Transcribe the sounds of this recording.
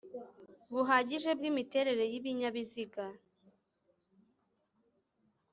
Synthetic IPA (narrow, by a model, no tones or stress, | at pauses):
βuɦaːɟiʒe̞b̚ɡiːmite̞ɾe̞ɾe̞jiβiɲaβiziɡa